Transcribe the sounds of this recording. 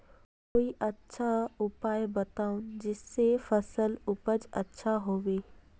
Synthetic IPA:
koːiʔɐtːʃʰaʊpaːjbɐt̪aːund͡ʒɪsːefɐsəlʊpəd͡ʒɐtːʃʰaɦoːʋeː

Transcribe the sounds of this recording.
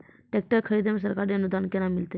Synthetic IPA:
ʈek̚ʈəɾkʰəɾid̪emes̬əɾkaɾiənud̪ʱankenamilt̪e

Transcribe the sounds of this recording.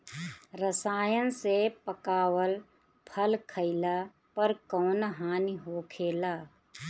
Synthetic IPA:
ɾəsaːjənsepəkaːwəl | pʰəlkʰəɪla | pəɾkɔːnaɦaːniɦoːkʰeːlaː

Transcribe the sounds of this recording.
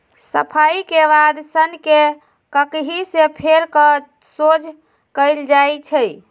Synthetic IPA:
səpʰaikeβad̪sənke | kəkɦisepʰeɾkə | sod͡ʒʱ | kəjld͡ʒajt͡ʃʰə

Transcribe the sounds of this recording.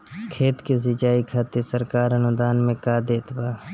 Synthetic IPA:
kʰeːt̪kesɪt͡ʃaːikʰaːt̪esəɾkaːɾɐnʊd̪aːnmẽkaːd̪eːt̪baː

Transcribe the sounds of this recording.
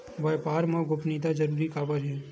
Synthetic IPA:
ʋɐjpaːɾmãɡʊpnid̪ad͡ʒɐɾuːɾikaːbəɾɦɛː

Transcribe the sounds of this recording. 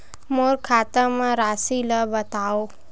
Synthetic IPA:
moɾkʰaːt̪əmãɾasiləbət̪ao

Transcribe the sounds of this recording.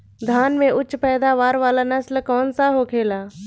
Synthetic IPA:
d̪ʱaːnmẽʔʊt͡ʃːpɛːd̪aʋaːɾʋaːlanəslkɔːnsaɦokʰeːlaː

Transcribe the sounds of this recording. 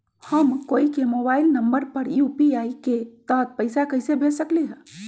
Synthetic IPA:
həmkoikemobailnəmbəɾpəɾjupiaiket̪ət̪̚pəɪsakəɪsebʱesəkliɦə̃

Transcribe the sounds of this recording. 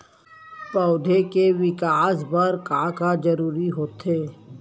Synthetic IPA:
pɔːd̪ʱekeʋɪkaːsbɐɾkaːkad͡ʒɐɾuːɾiɦoːt̪eː

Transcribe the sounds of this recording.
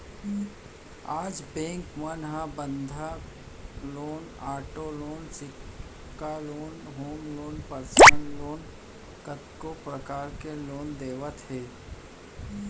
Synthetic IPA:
aːd͡ʒbɛ̃ːŋkmənɦãbə̃nd̪ʱa | loːnaːʈoloːnsɪk | kːaloːnɦoːmloːnpəɾsənloːn | kət̪kopɾəkaːɾkeloːnd̪eːʋət̪ɦɛː

